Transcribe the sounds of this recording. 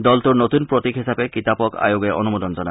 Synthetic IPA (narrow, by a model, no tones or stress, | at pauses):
d̪ɔlt̪uɹnot̪unpɹot̪ikɦisapekit̪apɔka̰joɡɛʔɔ̰numod̪ɔnzɔna